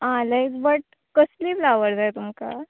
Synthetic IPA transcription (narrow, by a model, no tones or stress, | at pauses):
ɦãləd͡zbəʈ̚ | kəsliːblaʋəɾd͡z̪ajt̪umka̰